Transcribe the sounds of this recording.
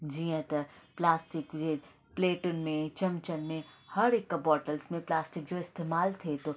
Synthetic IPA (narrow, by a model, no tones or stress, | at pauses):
d͡ʒiːə̃t̪ɐplaːsʈɪkd͡ʒe | pleːʈʊnmẽt͡ʃɐmt͡ʃənmẽhɐɾɪkːɐbɔːʈəlsmẽplaːsʈɪk̚d͡ʒoːɪst̪eːmaːlt̪ʰet̪o